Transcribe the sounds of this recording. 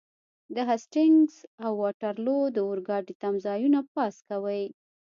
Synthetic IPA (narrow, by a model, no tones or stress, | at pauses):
d̪əɦasʈɪŋɡzawːɑʈaɾlod̪əʊɾɡɑʈit̪amzɑjunap̚ɑskawəj